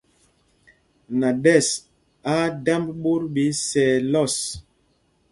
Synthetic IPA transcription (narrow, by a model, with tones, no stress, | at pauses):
na˨dɛ˦˨s | a˦da˦mbɓu˦ɾbi˨˦sɛ˨lɔ˦˨s